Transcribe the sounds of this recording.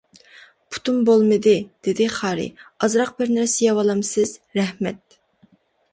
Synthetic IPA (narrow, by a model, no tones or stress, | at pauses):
pʰu̥t̪ʰumbolˠmɨd̪ɪd̪̥ɪd̪ɪχɑːɾɪ̰ɑzɾɑq̚bɪɾnɪɾsɪjɑwɑlˠɑmsɨzɾɛhmɛt̪̚